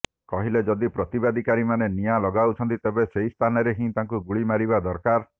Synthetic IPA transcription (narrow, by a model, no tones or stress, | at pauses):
kɔɦiled͡ʒɔd̪ipɾɔt̪ibad̪ʱikaɾimanenijalɔɡawt͡ʃʰɔnt̪it̪ebeseist̪ʰanɔɾeɦĩt̪aŋkuɡuɭimaɾibad̪ɔɾkaɾ